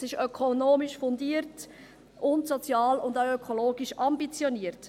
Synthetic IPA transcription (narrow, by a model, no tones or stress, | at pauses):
sɪʃœkʰonoːmiʃfʊndiəɾt | ʔʊntsɔt͡sjɑːlʊndaʊøkʰoloːɡiʃɑmbit͡sjɔniəɾt